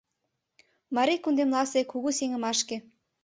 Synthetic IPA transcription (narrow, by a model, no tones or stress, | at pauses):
mɑɾikund̪emlɑsekuɣuseŋə̆mɑʃke